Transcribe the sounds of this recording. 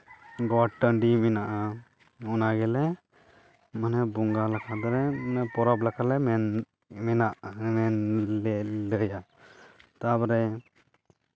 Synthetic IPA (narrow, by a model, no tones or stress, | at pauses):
ɡɔʈəɳɖimɛnaʔa | ɔnaɡɛlɛ | manɛbuŋɡalakʰad̪ɔɾɛmnɛpɔɾɔblakʰalɛm | mɛnaʔmɛnlɛləja | t̪abɔɾɛ